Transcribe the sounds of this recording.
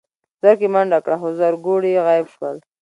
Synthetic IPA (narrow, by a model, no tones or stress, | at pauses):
z̥aɾkimaɳɖakɽaxozaɾɡoɽiɣɑjɪbʃwəl